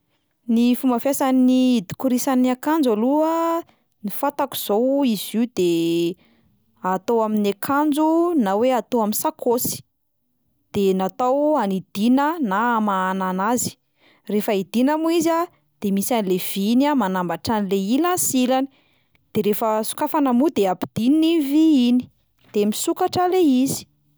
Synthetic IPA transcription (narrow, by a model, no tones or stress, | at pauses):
nifumbafjasannid̪i̥kuɾisanakand͡zaluə | nifat̪aku̥z̥owizid̪e | at̪owaminakʰand͡zunaweat̪oaminsakʰosi̥ | d̪̥enat̪awanid̪̥inənamaːnanazi̥ | refəid̪̥inamuiza | d̪̥emisanilev̥inamanambaʈ͡ʂanileilansilani̥ | d̪̥eɾefəsu̥kafanamud̪eapid̪̥iniiviini̥ | d̪̥emisukaʈ͡ʂəleizi̥